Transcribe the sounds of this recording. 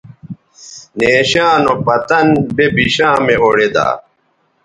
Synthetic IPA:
neːɕaːnopɐt̪ɐnbebiɕãːmeoɽed̪a̰ː

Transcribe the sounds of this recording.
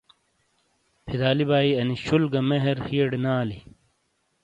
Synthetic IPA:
pʰid̪aːlibaːiɐniɕulɡɐmeɦeɾhieɖnaːli

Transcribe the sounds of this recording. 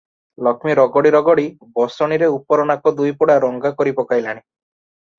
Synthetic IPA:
lɔkʰmiɾɔɡɔɽiɾɔɡɔɽi | bɔsɔɽ̃iɾeupɔɾɔnakɔd̪ujpɔɽaɾɔŋɡakɔɾipɔkajlaɽ̃i

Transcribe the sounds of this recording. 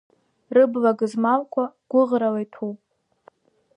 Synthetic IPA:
rɨblaɡɨzmalkʷʰaɡ̥ʷʊʁralajtʰupʼ

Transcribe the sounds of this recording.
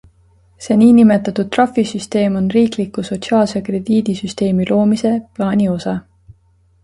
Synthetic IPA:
se̞ːniːnime̞t̪ːˑɑt̪ud̪̚t̪ːrɑfisyst̪e̞ːmo̞nriːklikːˑuso̞t̪siɑːlsekre̞d̪̥iːd̪̥isyst̪e̞ːmilʔo̞ːmise̞plɑːnʲio̞sɑ

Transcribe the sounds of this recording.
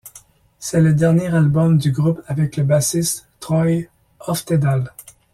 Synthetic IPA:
sɛləd̪ɛʁnjeʁalbɔmd̪yɡʁupavɛkləbasist̪ː | χɔj | ɔft̪ed̪al

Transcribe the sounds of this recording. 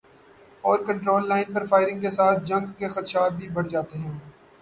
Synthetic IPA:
ɔːɾkɐ̃ɳʈɾoːlːaːɪnpɐɾfaːɪɾɪ̃ŋɡkesaːt̪̚ʰd͡ʒɐ̃ŋɡkexɐt̪ʃaːt̪̚bʱibɐɽd͡ʒaːt̪eɦɛ̃ː

